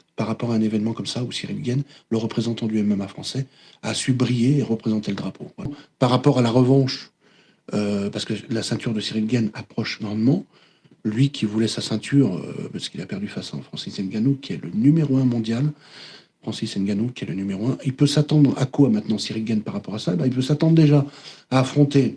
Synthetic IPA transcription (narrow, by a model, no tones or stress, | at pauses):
paʁːapɔʁaɛ̃nevɛnmɑ̃kɔmsausiʁilɡʲɛn | ləʁəpχezɑ̃t̪ɑ̃d̪yɛmamafχɑ̃sɛ | asybʁijeːʁəpχezɑ̃t̪ɛləd̪ʁapʰo̰vapaʁːapɔʁalaʁəvɑ̃ʃ | øpaʁsə̥kəlasɛ̃t̪yʁd̪əsiʁilɡʲɛnapχɔʃnɔʁmɑ̃ | lɥikʲʰivulɛsasɛ̃t̪ʰyʁø̰pasə̥kilapɛʁd̪yfasɔ̰̃fχɑ̃sisɛnɡʲanokʲiɛlənymeʁoɛ̃mɔ̃d̪jal | fχɑ̃sisɛnɡʲanokʲiɛlənymeʁoɛ̃ilpøsat̪ɑ̃d̪ʁa̰kwamɛ̃t̪nɑ̃siʁilɡʲɛnpaʁːapɔʁasaebɛ̃ilpøsat̪ɑ̃d̪ʁd̪eʒaaːfχɔ̃t̪e